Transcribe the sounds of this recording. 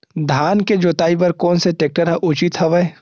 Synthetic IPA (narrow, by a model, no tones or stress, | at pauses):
d̪ʱaːnked͡ʒoːt̪aːibɐɾkɔːnseʈek̚ʈəɾɦaʔʊt͡ʃit̪ɦɐʋəe